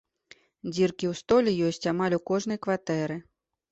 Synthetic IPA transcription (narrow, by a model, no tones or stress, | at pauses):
d͡zʲirkʲiwst̪ɔlʲɛjɔsʲt͡sʲamalʲukɔʐnɐjkvat̪ɛɾɨ